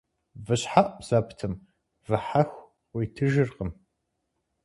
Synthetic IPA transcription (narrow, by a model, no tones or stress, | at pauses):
vɨɕħaʔʼz̥ɐpʰtʰɨm | vɨħaxʷ | qʷiːtʰɨʒɨrqəm